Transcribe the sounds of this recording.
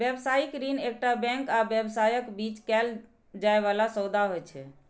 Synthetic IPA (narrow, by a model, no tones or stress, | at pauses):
bjebsaikɾinek̚ʈabɛ̃ŋkabjebsajəkbit͡ʃkɛl | d͡ʒaeβalasəwd̪aɦojt͡ʃʰɛ